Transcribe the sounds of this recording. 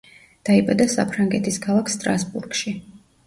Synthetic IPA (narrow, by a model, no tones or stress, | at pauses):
d̪̥aibad̪asapʰɾaŋɡɛt̪ʰiskʰalˠakʰst̪ʼɾasbṵɾɡ̥ʃi